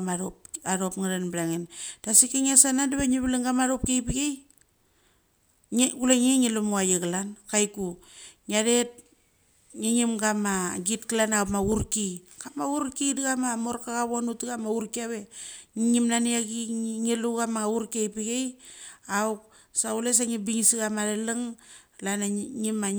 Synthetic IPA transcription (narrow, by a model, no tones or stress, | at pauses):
maɾop̚aɾopŋaɾenblaŋend̥asikeŋasanandaβeɲiβilaŋɡamaɾop̚kejpiɡej | ɡuleŋeŋilumuajeɡalankajkuɲaɾet̚ | ŋiŋimɡamaɡitkalanawpmauɾkiɡamauɾkidiɣamamo̞ɾkaɣaβonutiɣamauɾkiaβeɲiŋimnaniaɡiŋiluɡamaɣauɾkejpiɡejauk̚ | saules̬aŋibiŋisiɣamaɾelɨŋ | lanaŋima